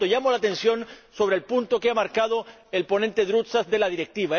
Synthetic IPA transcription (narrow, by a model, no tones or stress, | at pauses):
oʝamolat̪ẽ̞nsjo̞nso̞βɾeːlpunt̪o̞keamaɾkað̞o̞ | elpo̞nẽnt̪e̞ðɾut̪sasd̪e̞laðiɾek̚t̪iβa